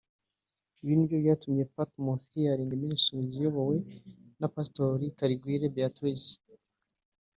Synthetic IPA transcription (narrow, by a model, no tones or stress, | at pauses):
ijinbjojatumje̞patmofiaɾiːŋɡimiɾisuzijoβowenapastoɾikaɾiɡwiːɾebjatwis